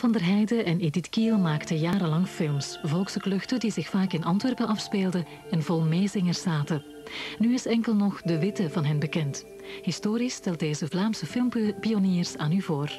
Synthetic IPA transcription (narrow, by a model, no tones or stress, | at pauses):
vɑndərɦɛjdəʔɛneditkilˠmaːktəjaːɾəlɑŋfɪlˠmsvɔlˠksəklɵxtədizɪxfaːkɪnʔɑntʋɛrpəɑfspeːlˠdə | ɛnvɔlˠmeːzɪŋərsaːtə | nyɪsɛŋkəlˠnɔxdəʋɪtəvɑnɦɛnbəkɛnt | ɦɪstoːɾistɛlˠt̚deːzəvlaːmsəfɪlˠmpioniːrsaːnyvoːr